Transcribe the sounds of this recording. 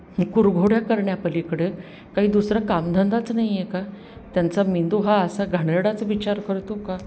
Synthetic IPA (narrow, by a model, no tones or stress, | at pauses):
ikuɾɡʱoɽjakəɾɳjapəlikɽe | kaɦiːd̪usɾakamd̪ʱənd̪at͡snaɦijeka | t̪jant͡samind̪uɦaəsaɡʱəɳeɽat͡sʋit͡ɕaɾkəɾt̪oka